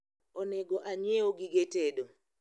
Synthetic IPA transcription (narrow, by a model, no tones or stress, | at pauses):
ɔnɛɡɔʔaɲɛoɡiɡetedo